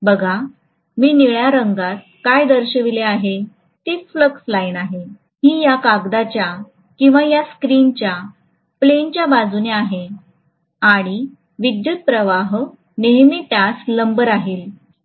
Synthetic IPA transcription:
bəɡʱa | miːniɭjaɾəŋɡat̪̚kajd̪əɾɕəʋileaɦe | t̪it͡sfləkslainaɦe | hiːjakaɡd̪at͡ɕja | kĩw̃ʋajaskɾint͡ɕja | plent͡ɕjabad͡zuneaɦe | aɽ̃i | ʋid̪jut̪̚pɾəʋaɦ | neɦmiːʈasləmbəɾaɦiːl

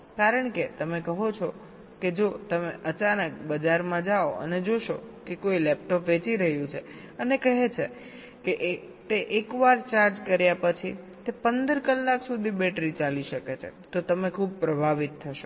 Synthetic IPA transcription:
kaɾəɳket̪əmekəɦot͡ʃʰɔ | ked͡ʒot̪əmeʔət͡ʃanək̚bəd͡ʒaɾmãd͡ʒaoʔə̰ned͡ʒoʃokekoilɛp̚ʈɔpʋet͡ʃiɾəɦjũt͡ʃʰe | ənekəɦet͡ʃʰe | keʔ | t̪eʔekʋaɾt͡ʃaɾd͡ʒkəɾjapət͡ʃʰi | t̪epənd̪əɾkəlːaksud̪ʱibɛʈɾit͡ʃaliʃəket͡ʃʰḛt̪ot̪əmekʰub̚pɾəbʱaʋit̪ʰːəʃo

